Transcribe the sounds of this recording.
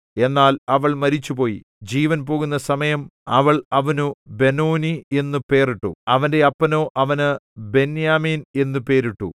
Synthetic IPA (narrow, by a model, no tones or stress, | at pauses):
e̞nːaːlɐʋɐɭmɐɾit͡ɕːupo̞ːjḭ | d͡ʑiːʋɐnpo̞ːɣunːɐsɐmɐjɐmɐʋɐɭɐʋɐnube̞noːnie̞nːupe̞ːriʈːṵɐʋɐnde̞ɐpːɐnoːʔɐʋɐnɨbe̞njaːmiːne̞nːupe̞ːɾiʈːṵ